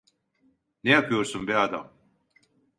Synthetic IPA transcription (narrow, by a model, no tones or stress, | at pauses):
nejapʰɯjo̞ɾsunbiad̪a̰m